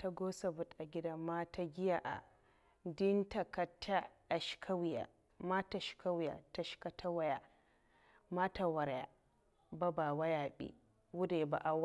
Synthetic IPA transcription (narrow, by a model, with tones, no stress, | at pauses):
ta˦ɡoː˦sa˨bʊ˦tʔa˨ɡʲɪ˦da˦maː˦ta˦ɡʲɪ˦ja˨ʔa̰˨ | dɪ˦nta˨ka˦tʰa˦ | a˨ʃkʰa˦wja̰˨ | ma˦ta˨ʃi̥˨ka˦wja̰˨ta˦ʃi̥˦ka˦tʰa˦wa˦ja˨ | ma˦ta˨wɐ˨ɾja̰˨ | ba˦baː˨wa˦jaː˨ɓḭ˦ | wʊ˦de˨ba̰˨ʔa˦wa˦